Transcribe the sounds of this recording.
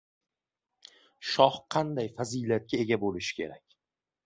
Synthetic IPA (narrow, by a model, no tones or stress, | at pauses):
ʃɒhqʰɑnd̪ajfaziːlat̪̚kʲʰae̞ɡʲabolɪʃɪ̥kʲʰe̞ɾakʲ